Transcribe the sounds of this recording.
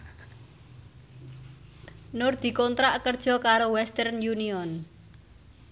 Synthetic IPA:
nʊrd̪̥i̤kɔnt̪ɾaʔkərd̥ʒ̥ɔ̤kaɾowɛst̪ɛrnjuniɔn

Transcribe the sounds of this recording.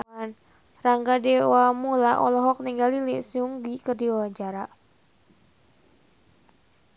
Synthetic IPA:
an | raŋɡadɛwamulaʔɔ̰lɔɦɔk̚niŋɡalilisuŋɡikərdiɔwaɲd͡ʒaɾa

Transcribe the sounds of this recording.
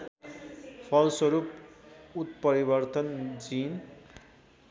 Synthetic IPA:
pʰʌlsʌɾuput̪̚pʌɾibʌrt̪ʌnd͡zin

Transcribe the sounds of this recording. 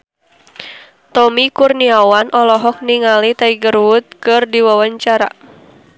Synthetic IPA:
t̪ɔmikurniawanʔɔlɔɦɔk̚niŋalit̪aiɡərwʊt̪̚kɨrdiwawaɲt͡ʃaɾa̰

